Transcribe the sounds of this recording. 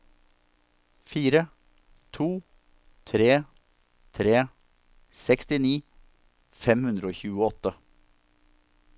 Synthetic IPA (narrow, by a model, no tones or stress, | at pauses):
fiːɾə | t̪ʰuː | t̪ʰɾeː | t̪ʰɾeː | sɛkst̪ɪniː | fɛmhʉnd̪ɾəoːçʉːəɔt̪ə